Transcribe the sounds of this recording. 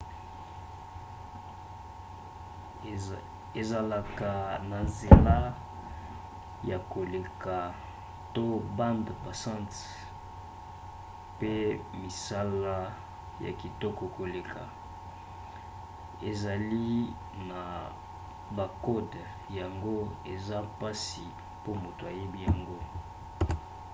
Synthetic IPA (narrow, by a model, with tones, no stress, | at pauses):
e˨za˨la˨ka˨na˨ze˨la˦ | ja˨ko˨le˨ka˨ | to˦bã˦ndpa˨sã˦nt | pe˦mi˨sa˦la˦ | ja̰˨ki˨tɔ˦kɔ˨ko˨le˨kʰa̰˨ | e˨za˨li˦ | na˨ | ba˨kɔ˦d | ja˨ŋɡo˦e˨za˦pa˦si˨ | po˦mo˨to˨a˨je˦bi˦ja˨ŋɡo˦